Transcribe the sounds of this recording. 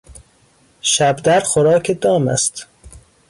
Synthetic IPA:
ʃæbd̪æɾxoɾɒːkʰed̪ɒːmæ̰st̪

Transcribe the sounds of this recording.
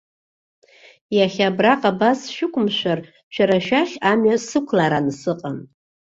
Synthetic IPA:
jaχʲabraqʼabasʃᶣɪkʷʰʼʊmʃʷar | t͡ʃʷʰaɾaʃᶣaχʲamɥasɨkʷʰlaɾansɨqʼan

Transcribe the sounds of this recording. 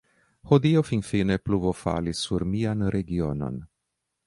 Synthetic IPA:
hod̪iofinfine̞pluvofa̰lisuɾmianɾeɡiono̞̰n

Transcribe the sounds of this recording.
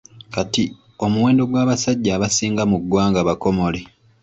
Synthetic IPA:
kati | o̞muwe̞ːndo̞ɡwaːβasaɟːaːβasiːŋɡamuɡːwaːŋɡaβako̞mo̞le̞

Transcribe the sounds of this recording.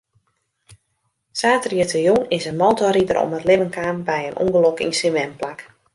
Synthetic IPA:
saːtriətəjonɪsənmoːtɔɾidəɾɔ̰mətlɪvənkaːnbɛjənṵŋɡəlokḭnsɪnʋɛmplak

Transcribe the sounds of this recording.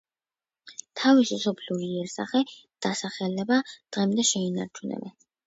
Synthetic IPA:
t̪ʰavisisɔpʰliuɾiɛɾsa̰χɛd̪̥asaχɛlɛbad̪̥ʁɛmd̪ɛʃɛina̰ɾt͡ʃʰunɛ̰bɛ

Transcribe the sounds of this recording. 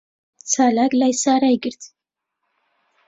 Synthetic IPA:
t͡sʰalakʼlajsaɾajɡɨɾt̪ʰ

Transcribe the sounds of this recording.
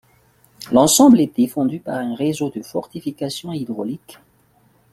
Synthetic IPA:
lɑ̃sɑ̃blɛd̪efɑ̃d̪ypaʁɛ̃ʁezod̪əfɔʁt̪ifikasjɔ̃id̪ʁɔlik

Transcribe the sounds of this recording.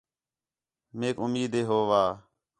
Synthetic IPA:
meːkʊmiːd̪ʱeːɦoːʋaː

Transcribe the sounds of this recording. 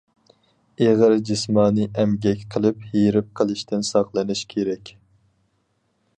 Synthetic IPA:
eʁəɾd͡ʒismɑːnɨʔɛmɡʲɛkʲqʰəlˠɨphiɾɪp̚qʰəlˠɨʃt̪ʰɪnsɑχlˠɨnɨʃkʲʰeɾɛkʲ

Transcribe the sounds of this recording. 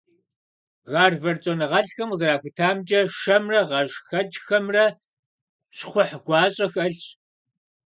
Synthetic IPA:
ɣɑːrvɐrt͡ʃʼonɨʁɐɬxɐmzɐɾaːxɨtʰaːmd͡ʒʼɐʂɐmrɐʁɐʒxɐd͡ʒxɐmrɐ | ɕχʷʊħɡʷɑːɕʼɐxɐɬ

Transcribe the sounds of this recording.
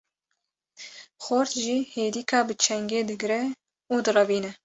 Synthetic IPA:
xoɾt̪ʒiːheːd̪iːkʰɑːbɨt͡ʃʰɛŋɡeːd̪ɨɡɾɛ | uːd̪ɨrɑbiːnɛ

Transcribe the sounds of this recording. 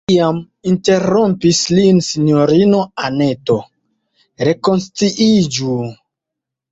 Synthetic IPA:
am | inte̞ɾompislinsinoɾino̞ane̞to̞ | ɾe̞ko̞nstiʔid͡ʒu

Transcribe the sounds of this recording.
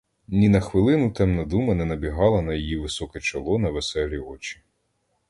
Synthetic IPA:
nʲinɐxʋɪlˠɪnʊt̪ɛmnɐd̪umɐnɛnɐbʲiɦɑlˠɐnɐjijiʋɪsɔkɛt͡ʃɐlˠɔnɐʋesɛlʲiɔt͡ʃi̥

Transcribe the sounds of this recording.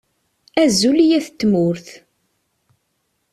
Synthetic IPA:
æzulijæθət̪ːmʊɾθ

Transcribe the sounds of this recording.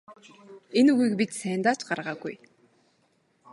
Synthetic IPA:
enuɣiːkpit̪sæːnt̪aːt͡ɕɢarʁaːɡṵj

